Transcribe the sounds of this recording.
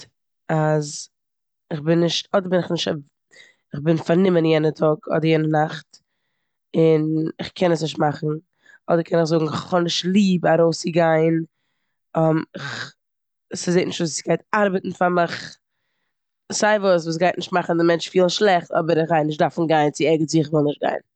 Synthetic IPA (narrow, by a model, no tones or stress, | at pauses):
az | ɪχbɪnːɪʃtɔdəɾbɪnɪχnɪʃt | ɪχbɪnfaɾnɪmənjɛnətʰɔɡɔ̰dəɾjɛnənaχt | ɪnɪχkʰɛnəsnɪʃt̚maχn̩ | ɔdəɾkʰɛnɪχzʊɡŋ̩ɪχχɔnɪʃtlˠiːbaɾoʊsɪɡaɪn | ɔmɪχ | sɪzeːtnɪʃtvuːsɪ̥sɡ̥aɪtaɾbətn̩famɪχ | z̥aɪvuːsvuːs̬ɡaɪtnɪʃt̚maχn̩dɪmɛnt͡ʃfiːlˠnʃlˠɛχtɔ̰bəɾɪχvaɪnɪʃt̚daɾfn̩ɡaɪnt͡sɪɛɡət͡siɪχvɪlˠnɪʃt̚ɡa̰ɪn